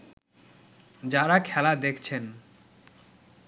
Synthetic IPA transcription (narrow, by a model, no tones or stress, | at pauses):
d͡ʑaɾakʰɛlad̪ekʰt͡ɕʰen